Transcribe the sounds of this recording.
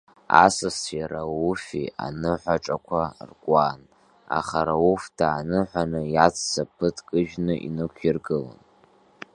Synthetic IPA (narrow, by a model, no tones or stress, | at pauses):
asɨsʰjaɾawufia̰nɨħʷaʈ͡ʂʼakʷʰarkʷʼaːn | a̰χaɾauftʰaːnɨħʷanɨjat͡sʰsapʰɨtʰʼkʼɨʒᶣnɨʔinɨkʷʰirɡɨla̰n